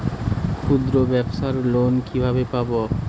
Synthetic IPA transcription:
kʰud̪ɾobɛbʃaɾlonkibʱabepabo

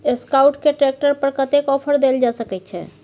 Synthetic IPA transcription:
eskawʈkeʈɾek̚ʈəɾpəɾkət̪ekɔpʰəɾd̪eld͡ʒasəkɛt̪t͡ʃʰɛ̰

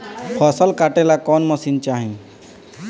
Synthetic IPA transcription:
pʰɔsəlkaʈelakɔːnmɔsiːnt͡ʃaːɦĩ

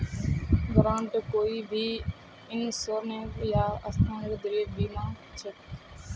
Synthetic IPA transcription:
ɡɾãːɳʈkoːiːbʱiː | ɪnsoːɾnẽːjaːəst̪ãːɾd̪ɾeːbiːmãː | t͡ʃʰək

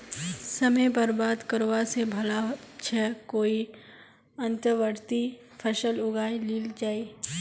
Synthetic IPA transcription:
səməpəɾbaːd̪kəɾoːasebʱɐlat͡ʃʰɛkoːi | ə̃nt̪əɾʋəɾt̪i | pʰəʃəlʊɡaːiliːld͡ʒaːi

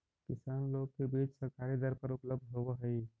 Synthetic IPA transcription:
kɪsaːnloːɡ̚kebiːt͡ʃsəɾkaːɾid̪əɾpəɾʊpləb̚d̪ʱɦoboɦəi

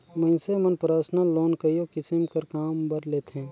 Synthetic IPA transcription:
mɐ̃ɪ̃semənpɾaːsnaloːnkəjokɪsɪmkɐɾkaːmbɐɾleːt̪ɦɛ̃ː

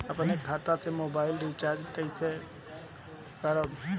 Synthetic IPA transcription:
əpənekʰːat̪at͡ʃʰemobaɪlɖit͡ʃad͡ʒkəit͡ʃʰe | kəɾəb

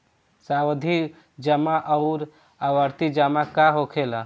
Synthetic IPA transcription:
sawd̪ʱi | d͡ʒəmaʔəʊɾ | aʋəɾt̪id͡ʒamakaɦokʰela

